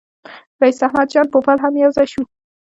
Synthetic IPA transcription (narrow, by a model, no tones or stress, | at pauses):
ɾaisahmad̪̚d͡ʒɑnpopalɦamjawzaʃu